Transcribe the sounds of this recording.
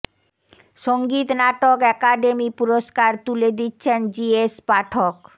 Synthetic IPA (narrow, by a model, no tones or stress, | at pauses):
ʃoŋɡit̪naʈokɛkaɖemipuɾoʃkaɾt̪uled̪itːɕʰend͡ʑiespaʈʰok